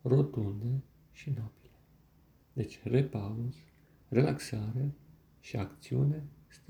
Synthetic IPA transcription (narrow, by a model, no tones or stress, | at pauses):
ro̞t̪und̪e | ʃinob̥ile | d̪e̞t͡ʃʲrepalos | re̞laksaɾe̞ | ʃiakt̪siune̞st̪